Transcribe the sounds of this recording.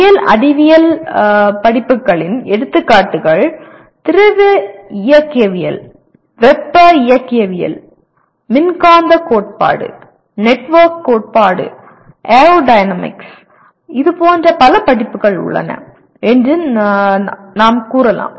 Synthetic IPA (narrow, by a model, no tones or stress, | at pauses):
jɐlɐ̰ɽɪʋɪjɐl | pɐɽɪpːɯkːɐɭɪnɛɽɯt̪ːɯkːaːʈːɯɣɐɭ | t̪ɪɾɐʋɯɪjɐkːijɐʋɪjɐ̰l | ʋɛpːɐɪjɐkːɪjɐʋɪjɐ̰l | mɪnkaːnd̪ɐkoːʈ̚pa̰ːɽɯ̰ | nɛʈːʋɐɾkːoːʈ̚paːɽɯ̰ | ʔeːɾoːɖɐɪnɐmɪ̰ks | ɪðɯpoːndrɐpɐlɐpɐɽɪpːɯɣɐɭʊ̰ɭːɐ̰nɐ̰ | ɛndrɯ | naːmkuːɾɐla̰ːm